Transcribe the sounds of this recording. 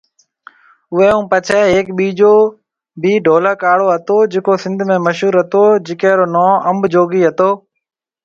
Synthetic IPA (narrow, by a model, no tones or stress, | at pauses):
ʊɦeːɦũːpət͡ʃʰɛːɦeːkɓiːd͡ʒoː | biːɖʱoːləːkaːɽoːɦət̪oːd͡ʒeːkoːsɪ̃nd̪ʱmẽːməʃuːɾɦət̪oːd͡ʒɪkẽːɾoːnɔːəmbd͡ʒoːɡiːɦət̪oː